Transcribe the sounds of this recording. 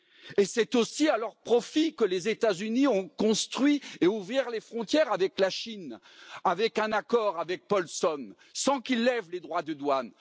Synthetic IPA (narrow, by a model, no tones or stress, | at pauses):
esɛt̪osialœʁpχɔfikəlezet̪azyniɔ̃kɔ̃st̪χɥieuvʁiʁlefχɔ̃t̪jɛʁavɛklaʃin | avɛkɛ̃nakɔʁavɛk̚pɔlsɔn | sɑ̃kilːɛvled̪ʁwad̪əd̪wan